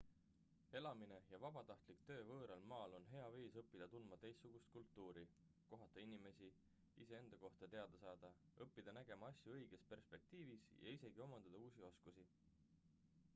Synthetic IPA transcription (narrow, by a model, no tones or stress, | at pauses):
e̞lɑmine̞jɑvɑbɑt̪ɑht̪likt̪ø̞ːvɤːɾɑlmɑːlo̞nɦe̞ɑviːsɤpːid̪̥ɑt̪ulmɑt̪e̞jstːuɡ̥ust̪̚kult̪ˑːuːɾi | ko̞ɦɑt̪ːˑɑinime̞si | ise̞e̞nd̪̥ɑko̞ht̪ɑt̪e̞ɑd̪ɑsɑːd̪̥ɑ | ɤpːid̪̥ɑnæɡ̥e̞mɑɑsʲjuɤjɡ̥e̞spe̞rspe̞k̚t̪iːvisjʔɑ̰ise̞ɡ̥io̞mɑnd̪ɑd̪̥ɑuːsio̞skusi